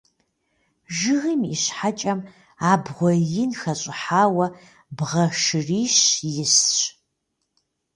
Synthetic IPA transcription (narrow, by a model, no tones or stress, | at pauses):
ʒɨɣimiɕħat͡ʃʼɐm | aːbʁʷɔjɪnxɐɕʼɪħaːwɐ | bʁɐʃɨriːʃjɪsɕ